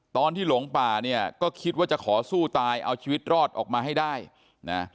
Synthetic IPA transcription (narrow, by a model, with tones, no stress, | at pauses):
t̪ɔː˧nt̪ʰiː˥˩lo˩˦ŋpaː˨˩ni˥˩ɐkɔː˥˩kʰi˦˥t̪̚waː˥˩t͡ɕa˨˩kʰɔː˩˦suː˥˩t̪aː˧jʔa˧wt͡ɕʰiː˧wi˦˥t̪̚ɾɔː˥˩t̪̚ʔɔ̰ː˨˩k̚maː˧ɦa˥˩jdaː˥˩j | na˦˥